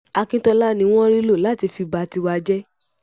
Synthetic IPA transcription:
a˧kĩ˦tɔ˧la˦nĩ˧w̃ɔ̃˦ɾi˦lo˦˨la˨˦ti˧fi˧ba˧˦ti˧wa˧d͡ʒɛ˦

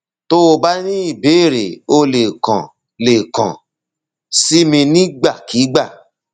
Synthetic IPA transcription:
to˦o˧ba˦nĩ˦i˦˨be˨˦˨ɾe˨o˧le˨kɔ̃˨ | le˨kã̰˨ | si˦mĩ˧nĩ˦ɡ͡ba˦˨ki˨˦ɡ͡ba˦˨

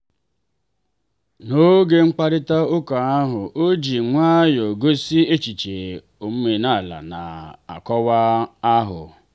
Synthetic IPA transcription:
no˦ɡe˦ŋ͡m̩˦k͡pa˦ɾɪ˦ta˦ʊ˦ka˨a˦ɦʊ˨ʔo˦d͡ʒi˨ŋʷa˦jo˨ɡo˦si˦e˦t͡ʃi˨t͡ʃe˨ | o˨m̩˦me˨na˦˨la̰˨na̰˨a̰˨kɔ˦wa˦a˦ɦʊ̰˨

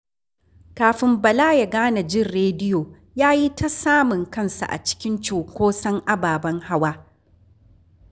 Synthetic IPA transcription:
kaː˨ɸɪ˨mbɐ˨laː˦ja˨ɡaː˦na˨d͡ʒɪ˦˨rɾeː˦dɪ˦joː˨ | jaː˦ji˦ta˦saː˦mʊ˨ŋkɐ˦nsa̰˨ʔa̰˨t͡ʃɪ̥˦kʲɪ˦nt͡ʃoː˨kʷoː˦sɐ˦ŋʔa˦baː˨bɐ˦ŋha˦waː˦

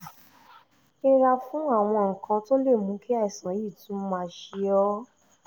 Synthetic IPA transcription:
e˧ɾa˧fũ˦a˦˨w̃ɔ̃˧ŋ̩˨kʰã˧to˦le˦˨mũ˨˦kʰi˦a˦i˨sã˨˦ji˦˨tũ˨˦mã˦˧ʃi˧ɔ˦

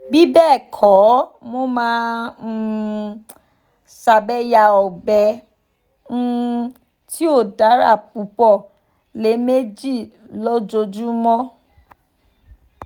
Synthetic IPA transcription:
ɡ͡bi˨˦bɛː˦˨kʰɔ˨˦mo˦mãː˦˧ | sa˧bɛ˦ja˧ɔ˨bɛ˧ | n̩˦ | ti˦o˦˨da˨˦ɾa̰˦˨p̚u˨˦pɔ˦˨ | le˨˦me˦d͡ʒi˦˨ | lɔ˦d͡ʒo˧d͡ʒu˦mɔ̃˦

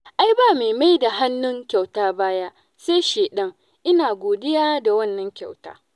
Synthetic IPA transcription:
ʔa˦jbaː˦˨meː˨ma˦jda˨ɦa˦nːʊ˦ŋkʲa˨wtaː˦baː˦ja˦ | seː˦ʃeː˨ɗɐ˦ŋ | ʔɪ˦naː˨ɡʷoː˨dɪ˦jaː˦da˨wɐ˦˨nːɐ˦ŋkʲa˨wta̰ː˦

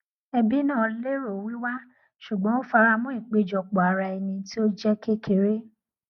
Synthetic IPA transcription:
ɛ˧bi˦nãː˦˨˦le˦ɾo˨wi˦wa˦ | ʃu˨ɡ͡bɔ̃˨˦o˦fa˧ɾa˧mũ˦ĩ˦˨k͡pe˧d͡ʒɔ˨k͡pɔ˨a˨ɾa˧ɛ˧nĩ˧ti˦o˦d͡ʒɛ˦ke˦ke˨ɾe˦

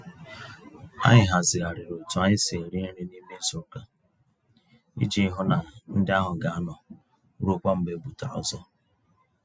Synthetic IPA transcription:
a̰˦ɲɪ˨ɦa˨zɪ˨a˨ɾɪ˨ɾo˨tu˨a˦ɲɪ˦se˨ɾi˦ɾi˦ni˦me˦sʊ˦ka˦ | ḭ˦d͡ʒi˦ɦʊ˦na˨n̩˦dɪ˦a˦ɦʊ˨ɡa˨a˦nɔ˨˦ | ɾu˦kʷa˦m̩˦be˦bu˨ta˨ɔ̰˨zɔ˦

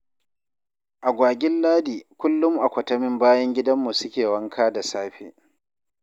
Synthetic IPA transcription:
ʔa˨ɡʷaː˨ɡʲɪ˦nlaː˦diː˨kʷʊ˦lːʊ˦mʔa˨kʷɐ˨tɐ˦mɪ˦mbaː˦jɐ˦ŋɡʲɪ˦dɐ˦mːu˨sʊ˦kʲeː˨wɐ˦ŋkʰaː˦da˨saː˦ɸḛː˦

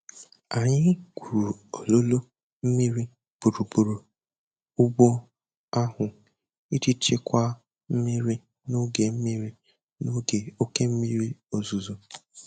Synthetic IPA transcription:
a˨ɲɪ˦kʷu˨ɾu˨o˨lo˦lo˦ | m̩˦mi˦ɾi˦ | b̥u˨ɾu˨bu˨ɾu˨ | ʊ˦ɡ͡bo˦ | a˦ɦʊ˨ | i˦ti˦t͡ʃe˦kʷa˦ | m̩˦mi˦ɾi˦ | no˦ɡe˨m̩˦mi˦ɾi˦ | no˦ɡe˨o˦ke˦m̩˦mi˦ɾi˦o˨zu˨zo˨

